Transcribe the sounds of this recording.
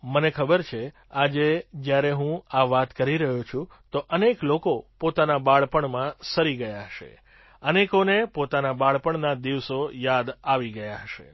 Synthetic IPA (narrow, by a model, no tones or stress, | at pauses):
mənekʰəbəɾt͡ʃʰe | ad͡ʒed͡ʒjaɾeɦũaʋat̪kəɾiɾəɦũt͡ʃʰũ | t̪oʔəneklokopot̪anabaɭpəɳmãsəɾiɡəjaɦəʃḛ | ənekonepot̪anabaɭpəɳnad̪iʋsojad̪aʋiɡəjaɦəʃḛ